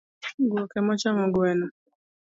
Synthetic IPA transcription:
ɡɔkɛmɔt͡ʃamɔɡɛnɔ

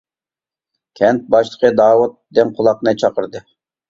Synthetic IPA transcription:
kʲʰɛnt̪̚bɑʃlˠə̥qʰəd̪ɑːwut̪̚d̪ɪnqʰʊlˠɑqnɨt͡ʃʰɑqəɾd̪ɨ

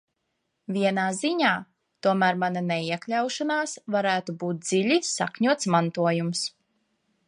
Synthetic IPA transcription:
vʲiɛnaːziɲaː | t̪uɔmæːɾmananɛiɛklʲawʃanaːsvaɾæːt̪ubuːt̪̚d̪ziʎʲisa̰kɲuɔt̪smant̪uɔjums

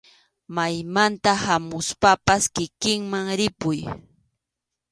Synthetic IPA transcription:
majmant̪ahamʊspapaskɪkɪŋmaŋɾɪpʊj

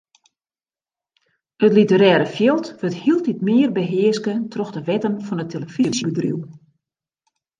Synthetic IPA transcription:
ətlitəɾɛːɾəfjɪlˠtʋəthilˠt̚itmɪərbəɦɪəskətʰrɔxdəʋɛtənfɔnətʰeləfisibədrḭw

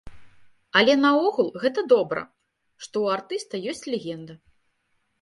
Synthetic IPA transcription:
ɐlʲɛnɐɔɣulˠɣɛt̪ɐd̪ɔbɾɐ̰ | ʂt̪ɔwart̪ɨst̪ɐjɔsʲt͡sʲlʲɛɣʲɛnd̪ɐ

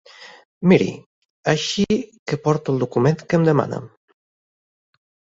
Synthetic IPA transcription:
miɾḭ | aʃikepɔɾt̪ulˠd̪ukument̪kəmd̪əma̰nə̰

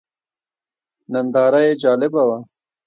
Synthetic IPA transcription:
nɐnd̪ɑːɾajed͡ʒɑːlɪbawa

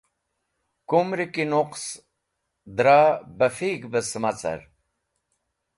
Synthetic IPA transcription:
kumɾikinuqs | d̪ɾaːbɐfiːkbəsmɐt͡sɐ̰ɾ

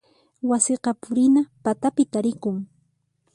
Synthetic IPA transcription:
wasɪqɑpʊɾɪnapat̪apɪt̪aɾɪkʊŋ

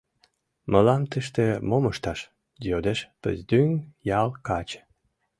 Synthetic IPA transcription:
məlɑmt̪əʃt̪emoməʃt̪ɑʃ | jjod̪eʃpə̰zd̪yŋjɑlkɑt͡ɕ

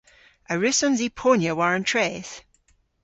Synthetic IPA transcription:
əɹɪsɔnzipʰonjəwaɹə̃ntʰɹ̥ɛːθ

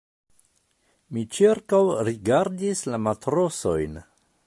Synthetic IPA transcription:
mit͡ʃiɾkawɾiɡaɾdislamatɾo̞so̞jn

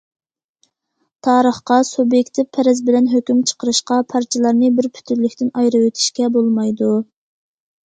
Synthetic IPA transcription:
t̪ʰɑːɾəχqɑsubjekʲt̪ʰɪvpʰːɛɾɛzbɪlɛnɦøkʲymt͡ʃʰə̥qəɾɨʃqɑpʰɑɾt͡ʃʰlˠɑɾnɨbɪɾpʰy̥t̪ʰyɾlykʲt̪ʰɪnɑjɾɨwet̪ʰɪ̥ʃkʲɛbolˠmɑjd̪u

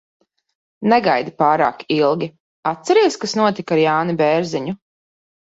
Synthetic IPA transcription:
nɛɡajd̪ipaːɾa̰ːkilˠɡʲi | at̪̚sɛɾiɛskasnuɔt̪ikaɾjaːnibɛːɾziɲu

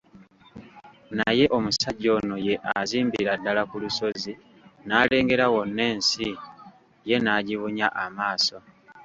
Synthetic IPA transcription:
naje̞ʔo̞musaɟːo̞ːno̞je̞ʔaziːmbiɾadːalakuluso̞zi | naːle̞ːŋɡe̞ɾawo̞nːe̞ːnsi | je̞naɟiβuɲaʔamaːso̞

